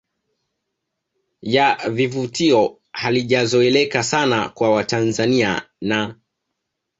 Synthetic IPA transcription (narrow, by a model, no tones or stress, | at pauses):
javivutiɔ | haliʄazɔɛlɛkasana̰kwawatanzania̰ | na